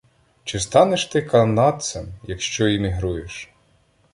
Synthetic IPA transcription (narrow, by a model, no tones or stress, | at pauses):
t͡ʃɪst̪ɑneʃt̪ɪkɐnɑt̪semjɐkʃt͡ʃɔimiɦɾujeʃ